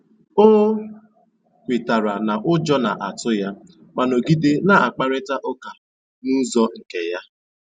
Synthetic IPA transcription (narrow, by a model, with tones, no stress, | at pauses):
o˦ | kʷi˨ta˨ɾa˨na˨ʔʊ˦d͡ʒɔ˦na̰˨ʔa˨tʊ˦ja˦ | ma˨no˨ɡi˦de˦na˨a̰˨k͡pa˦ɾɪ˦ta˦ʔo˦ka˨ | nu˦zɔ˦ŋ̩˨ke˨ja˦